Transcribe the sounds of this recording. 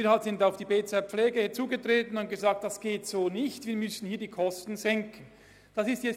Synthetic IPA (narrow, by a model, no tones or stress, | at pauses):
iːɾhaltz̥ɪntaʊfd̥iːbeːt͡sɛpp͡ffleːɡəhɪɐt͡suːɡətʁeːtən̩ʊnt̚ɡ̥əzaːk̚td̥asɡ̥eːtz̥oːnɪçtviːɐmʏsn̩hiːɐdiːkʰɔstn̩zɛŋkən̩ | d̥asɪstjɛ